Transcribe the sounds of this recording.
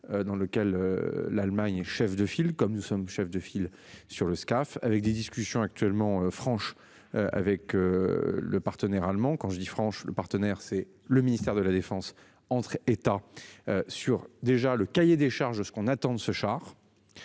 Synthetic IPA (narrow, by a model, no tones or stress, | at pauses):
ød̪ɑ̃ləkʲɛlø̰lalmaɲɛʃɛfd̪əfilkɔmnusɔmʃɛfd̪əfil | syʁləskafa̰vɛk̚d̪ed̪iskʲysjɔ̃ak̚t̪ɥɛlmɑ̃øfχɑ̃ʃ | øa̰vɛkøləpaʁt̪ənɛʁalmɑ̃kɑ̃ʒəd̪ifχɑ̃ʃlə̰paʁt̪ənɛʁsɛ | ləminist̪ɛʁd̪əlad̪efɑ̃s | ɑ̃t̪χet̪aøsyʁd̪eʒaləkajed̪eʃaʁʒd̪əsə̥kɔ̃nat̪ɑ̃d̪səʃaʁ